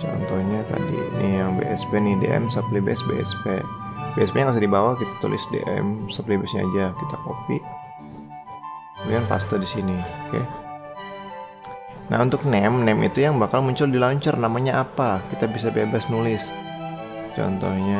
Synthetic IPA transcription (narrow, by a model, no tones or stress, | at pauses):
t͡ʃɔ̰nt̪ɔhɲat̪a̰dḭnijaŋbḛʔɛspenɪdḛʔɛ̰msəplibɛɛsbḛɛ̰spebeɛspeɲaŋas̬ɪdibawakit̪ḁt̪ṵlɪ̰sdḛʔɛ̰msəplibasɲaad͡ʒakit̪akopiʔ | dikanpa̰st̪ɔdisinioke | na̰unt̪ʊk̚nɛmnɛmḭt̪ujaŋbakalmuɲt͡ʃʊldilaɲt͡ʃərnamaɲaʔapakit̪abisabebasnulɪs | t͡ʃɔ̰nt̪ɔhɲa